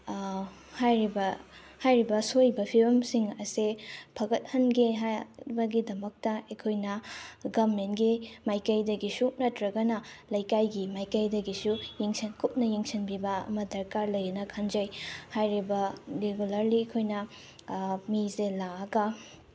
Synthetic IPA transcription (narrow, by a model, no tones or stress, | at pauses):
hajɾibɐhajɾibɐsojbɐpʰiɾɐmsiŋɐsepʰɐɡɐt̚hɐnɡiɦabɐɡidɐmɐk̚tɐɐjkʰojnɐɡɐmentɡimajkɐjdɐɡisunɐtɾɐɡɐnɐlɐjkajɡimajkɐjdɐɡisujeŋsɐnkʰup̚nɐjeŋsinbibɐɐ̰mɐdɐɾkaɾlɐjinɐkʰɐnd͡ʒɐjhajɾibɐɾeɡulɐɾliekʰojnɐ | miselaɐɡɐ